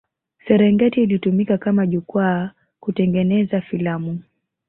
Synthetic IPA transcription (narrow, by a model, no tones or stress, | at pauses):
sɛɾɛŋɡɛtiːlitumikakamaʄukwa | kutɛŋɡɛnɛzafilamu